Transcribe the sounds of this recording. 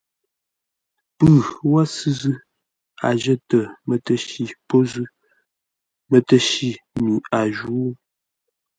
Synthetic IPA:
pʉ˦˨wa˦sɨ˦zʉ˦ | a̰˨ʒə˦tə˨mə˨tə˦ʃi˨po˦zʉ˦ | mə˨tə˦ʃi˦˨mi˨a˨ʒu˨˦

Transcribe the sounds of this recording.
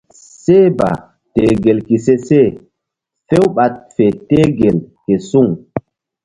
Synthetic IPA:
se˦ba̰˨ | te˨ɡe˨lki˨se˦se˦˨ | fe˦wɓa˨t̚fe˨te˦ɡe˨lke˨su˦˨ŋ

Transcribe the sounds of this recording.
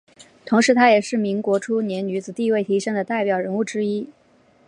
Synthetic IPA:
t̪ʰʊ˧˥ŋʂɻ̩˧˥t̪ʰa˥jɛ˨˩ʂɻ̩˥˩mi˧˥ŋkwɔ˧˥ʈ͡ʂʰu˥njɛ˧˥nny˧˥d͡zɹ̩˨˩t̪i˥˧we˥˩ɪt̪ʰi˧˥ʂɤ˥ŋd̪ə˨t̪a˥˩ɪpjɑ˨˩ʊɻə˧˥nu˥˩ʈ͡ʂɻ̩˥i˥

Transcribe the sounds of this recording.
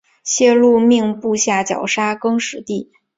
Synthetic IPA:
ɕjɛ˥˧lu˥˧mi˥˧ŋpu˥˧ɕja˥˩t͡ɕjɑ̰˨˩ʊʂa˥kɤ˥ŋʂɻ̩˨˩˦t̪i˥˩

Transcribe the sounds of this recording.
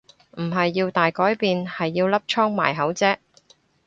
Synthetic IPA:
m̩˨˩ɦɐ˨jːiː˧wt̪aː˨jkɔː˨˥jpiː˨nhɐ˨jːiː˧wlɐ˥p̚t͡ʃʰɔː˥ŋma̰ː˨˩jɦɐ˨˥wt͡sɛː˥k̚

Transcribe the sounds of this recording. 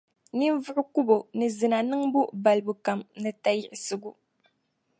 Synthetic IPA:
ni˦mvʊ˦ʔʊ˦ku˦bo˨nɨ˨zɨ˨na˨nɨ˦ŋbu˦ba˨lbu˨ka˨mnɨ˨ta˦jɪ˨ɪ˨sɨ˨ɡu˨

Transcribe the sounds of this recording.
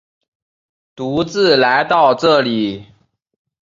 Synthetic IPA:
t̪u˨˧˥t͡sɹ̩˥˨la˧˦ɪt̪ɑ˥˨ʊʈ͡ʂɤ˥˨˩li˨˩˦

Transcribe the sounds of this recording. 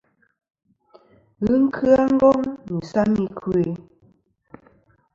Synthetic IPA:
ɣɨ˦ŋ̩˦kʰɯ˦a˦ŋ̩˦ɡɔ˦ŋnu˨sa˦mi˨kʰʉ˦e˨

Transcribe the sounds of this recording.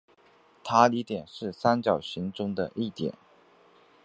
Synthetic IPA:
t̪ʰa˥li˧˥t̪jɛ˨˩nʂɻ̩˥˩sa˥nt͡ɕjɑ˨˩ʊɕi˧˥ŋʈ͡ʂʊ˥ŋd̪ə˨ʔi˥˩t̪jɛ̰˨˩˦n

